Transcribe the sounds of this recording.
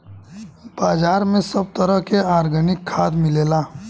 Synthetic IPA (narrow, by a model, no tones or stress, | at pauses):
b̥aːd͡ʒaːɾmẽsəb̚t̪əɾəɦkeaːɾɡʱənɪkʰːaːd̪mɪleːlaː